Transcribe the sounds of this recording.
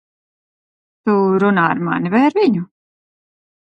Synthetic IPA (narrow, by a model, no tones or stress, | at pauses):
t̪uɾunaːaɾma̰nivajaɾviɲu